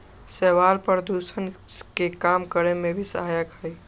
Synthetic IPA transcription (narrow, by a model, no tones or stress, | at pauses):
sɛːʋaːlpəɾd̪uːsənskekaːmkəɾemẽbʱisə̰ɦajəkɦəi